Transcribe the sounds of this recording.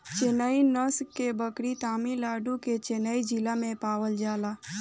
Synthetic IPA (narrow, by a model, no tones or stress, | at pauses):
t͡ʃenainəskːebəkɽit̪aːmilaːɖuket͡ʃenaːid͡ʒilamẽpaːʋəld͡ʒaːlaː